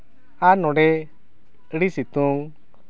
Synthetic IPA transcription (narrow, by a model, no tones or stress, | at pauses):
anɔɖɛ | ɽisit̪uŋ